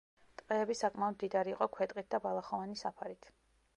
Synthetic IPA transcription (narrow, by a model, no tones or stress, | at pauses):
t̪ʼqʼɛːbisakʼmaɔd̪md̪id̪aɾiːqʼɔkʰwɛt̪ʼqʼit̪̚d̪abalˠaχɔvanisapʰaɾit̪ʰ